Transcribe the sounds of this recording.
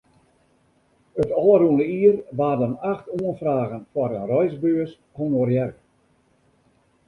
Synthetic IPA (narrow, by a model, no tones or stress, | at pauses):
ətɔːruənəiərʋaːrdənaxtuənfraːɣənfwɔɾənrɔjzbøəs | hɔnorjɛr